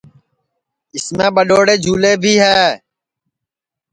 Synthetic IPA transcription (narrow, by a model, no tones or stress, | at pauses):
ɪsmẽːɓəɗoːɽeːd͡ʒʱuːleːbʱiːɦɛː